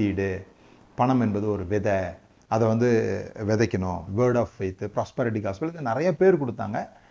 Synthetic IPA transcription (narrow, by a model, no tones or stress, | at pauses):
iːɽɯ | pɐɳɐmɛnbɐðɯɔɾɯʋɪðɐ | ɐðɐʋɐnd̪ɯʋɛðɐkʲːɐnʊ̃ʋeːɾɖaːfːɐɪt̪ːɯpɾaːspɐɾɪʈ̬ikaːsɐlɪðɯnɪɾɐjɐpeːɾkɔɽɯt̪ːa̰ːŋɡɐ